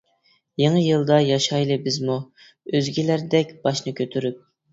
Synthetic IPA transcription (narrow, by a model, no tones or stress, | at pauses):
jeŋəjɨlˠd̪ɑjɑʃɑjlˠɨbɪzmu | øzɡʲilæɾd̪ɛkʲbɑʃnɨkʲʰøt̪ʰyɾyp̚